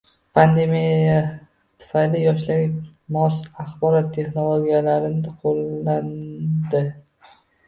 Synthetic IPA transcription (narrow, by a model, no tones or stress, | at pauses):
pʰand̪e̞mijja | t̪ʰʊ̥fajlɪjɒʃlaɡʲɪmɒsaχbɒɾɒt̪ʰːe̞χnolˠoɡʲijalaɾɪnd̪ɪqʰolːand̪ɪ